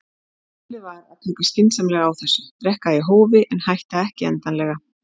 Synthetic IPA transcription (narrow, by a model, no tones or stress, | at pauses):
lɪvaɾa̰ðt̪ʰɛːkʏscɪnsamlɛɣaawθɛsːʏt̪ɾɛhkaiɦoːwvɪʔɛnhajht̪aɛhcɪɛ̰nt̪anlɛɣa